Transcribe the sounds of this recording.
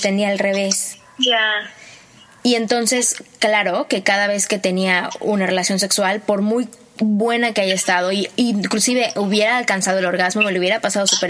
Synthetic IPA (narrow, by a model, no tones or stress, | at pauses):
t̪e̞niaːlre̞β̞e̞s | ʝa | ie̞nt̪o̞nse̞sklaɾo̞ke̞kaðaβ̞e̞ske̞t̪e̞niaunare̞lasjo̞ns̬e̞kswalpo̞ɾmuj | βwe̞nakeaʝaest̪aðo̞iiklusiβe̞ʔuβje̞ɾaːlkansað̞oelo̞ɾɣazmo̞leuβje̞ɾapasað̞o̞supeɾ